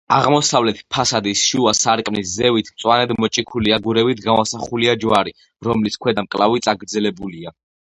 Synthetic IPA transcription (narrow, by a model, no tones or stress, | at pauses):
aʁmɔsavlɛt̪ʰpʰasad̪isʃuasaɾkʼmniszɛvit̪ʰmt̪sʼwanɛd̪mɔt͡ʃʼikʰuliaɡuɾɛbit̪ʰɡavasaχuliad͡ʒwaɾi | ɾɔmliskʰwɛd̪amkʼlavit̪sʼaɡɾd̪zɛlɛbulia